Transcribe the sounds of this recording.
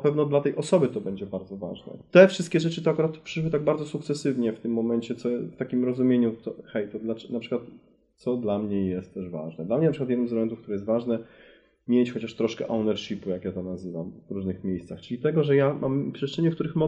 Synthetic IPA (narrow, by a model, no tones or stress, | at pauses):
apɛvnɔd̪lat̪ɛjʔɔsɔbɘt̪ɔbɛɲd͡ʑɛbaɾd̪zɔva̰ʐnɛ̰t̪ɛfʂɘst̪kʲɛʐɛt͡ʂɘt̪ɔakuɾat̪pʂɘʂwɘt̪aɡ̚baɾdzɔsuk̚t̪sɛsɘvɲɛft̪ɘmːɔmɛɲt͡ɕɛt̪sɔft̪akʲimɾɔzumʲjeɲut̪ɔxɛjt̪ɔd̪lanapʂɨkwat̪ | t̪sɔd̪lamɲɛjɛst̪ːɛʐva̰ʐnɛd̪lamɲɛnpʂɨkwat̪jɛd̪nɨmzɛlɛmɛnt̪ufkt̪uɾɛjɛst̪vaʐnɛ | mʲjet͡ɕxɔt͡ɕaʂt̪ɾɔʂkɛ̰ʔawnɛɾʂipujakjat̪ɔnazɘvamvɾuʐnɘxmʲjejst̪saxt͡ʂɘlʲit̪ɛɡɔʐɛjamʔampʂɛst͡ʂɛɲɛfkt̪uɾɘxmɔ